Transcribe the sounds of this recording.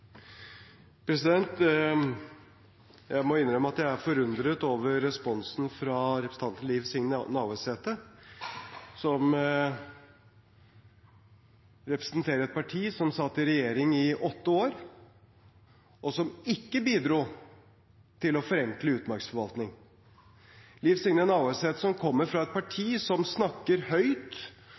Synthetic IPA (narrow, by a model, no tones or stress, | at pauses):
pʰɾɛsɪd̪ɛnt̪ | jæɪmɔɪnːɾœməɑt̪d̪æɪæɾfɔɾʉnd̪ɾət̪oːʋəɾːɛspɔnsnfɾɑɾɛpɾsn̩t̪ɑnt̪nliːʋsɪŋnɑːʊɛseːt̪ə | sɔm | ɾɛpɾə̥snt̪ʰeːɾəɾɛt̪̚pʰɑʈʰiːsɔmsɑt̪ːɪɾɛjeːɾɪŋɪʔɔt̪ːəoːɾ | ʔɔsɔmɪkːəbiːd̪ɾuː | t̪ʰɪlɔfɔɾɛŋkləʉːt̪mɑɾksfɔɾʋɑlt̪nɪŋ | lɪfsɪŋnənɑʊɛseːt̪əsɔmkʰɔmːəɾfɾɑɛt̪̚pʰɑʈʰiːsɔmsnɑkːəɾhœʏt̪